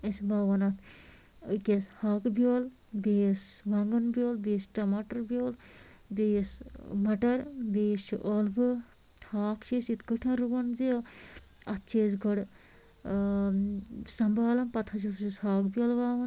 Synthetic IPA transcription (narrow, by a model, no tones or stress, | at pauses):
esbaːʋɐnɐt̪ʰ | keshaːkbijoːl | besʋɐŋɡɐnbʲjoːlbeːsʈɐmaːʈɐɾbʲjoːl | beːsmɐʈɐɾbeːst͡ʃʰiʔolbɨ | haːkt͡ʃʰeːsit̪ɡɨʈʰɐnɾuɡɐnzi | ɐt̪t͡ʃʰeːs̬ɡɐɽ | sɐmbaːlɐnpɐt̪ʰɐt͡ʃisishaːkbʲjoːlʋaːʋɐn